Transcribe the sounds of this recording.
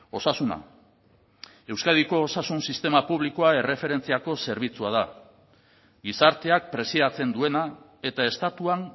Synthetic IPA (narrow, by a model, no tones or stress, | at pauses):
o̞sasuna̰ | e̞wskaðiko̞ːsasunsist̪e̞mapuβ̞likoae̞refe̞ɾe̞nt͡siako̞se̞ɾβ̞it͡suað̞a | ɡisaɾt̪e̞ak̚pɾe̞siðat͡se̞nd̪ue̞na | e̞t̪ae̞st̪at̪uan